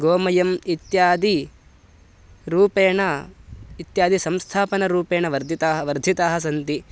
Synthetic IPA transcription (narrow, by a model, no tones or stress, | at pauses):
ɡoːmɐjɐmit̪jaːd̪i | ɾuːpeːɳɐ | it̪jaːd̪ʱisɐmst̪ʰaːpɐnɐɾuːpeːɳɐʋɐɾd̪ʱit̪aːɦɐʋɐɾd̪ʱit̪aːɦɐs̬ɐnt̪i